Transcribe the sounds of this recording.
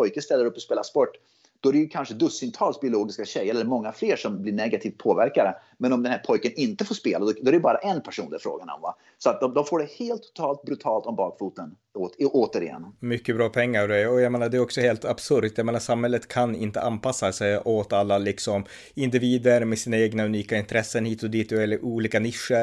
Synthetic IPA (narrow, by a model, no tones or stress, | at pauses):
pʰɔjkənst̪ɛlːəɾɵpːɔspeːlaspɔʈː | d̪̥ɔæɾɛjɵkʰanʂəd̪ɵsːʏnt̪ʰɑːlsbɪʊloːɡɪskaɕɛjːəɾɛlːəɾmɔŋːafleːʂɔmblɪɳɛɡat̪ʰiːft̪̚pʰoːvæɾkad̪ə | mɛnɔmd̪ɛnhæɾpʰɔjkənɪnt̪əfoːʂpeːlad̪ɔd̪ɔæɾɛjbɑːɾaʔɛnpʰæʂṵːnd̪ɛfɾo̰ːɡanɔ̰mva̰ | sɔat̪̚d̪ɔmd̪ɔmfoːɖɛheːlt̪ʰːʊ̥t̪ʰɑːlt̪̚bɾɵt̪ʰɑːlt̪ɔmbɑːkfuːt̪ən | oːt̪əɾɪjɛ̰nːmʏkːəbɾɑːpʰɛŋːaɾɖɛɔjameːnaɖ̪ɛːɾɔksɔheːlt̪ʰab̥sɵɾt̪jameːnaʂamhɛlːət̪kʰanɪ̰nt̪ə̰ʔanpʰasːasɛjɔt̪alːalɪksɔm | ɪnd̪ɪviːd̪əɾmesiːnaeːɡnaʉniːkaɪnt̪ʰɾɛsːənhiːt̪ɔd̪iːt̪ɛlːəɾʔuːliːkanɪʂːə